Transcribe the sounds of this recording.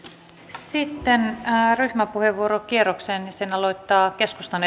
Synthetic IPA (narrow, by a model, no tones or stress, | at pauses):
sit̪ːenryhmæpuheʋːuoɾokieroksenjɑsenɑlo̞jt̪ːɑːke̞skust̪ɑne